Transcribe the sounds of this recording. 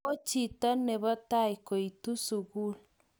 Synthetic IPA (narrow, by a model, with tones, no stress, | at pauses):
o˦t͡ʃi˨tɔ˦ne˨βɔ˦ta˦i˨ko˨i˨tu˦su˨ɣu˦l